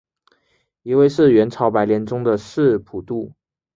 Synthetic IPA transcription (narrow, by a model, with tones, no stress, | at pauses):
i˧˥we˥˧ɪʂɻ̩˥˩ɥɛ˧˥nʈ͡ʂʰɑ˧˥ʊpa˧˥ɪljɛ˧˥nʈ͡ʂʊ˥ŋd̪ə˨ʂɻ̩˥˩pʰu˨˩t̪u˥˩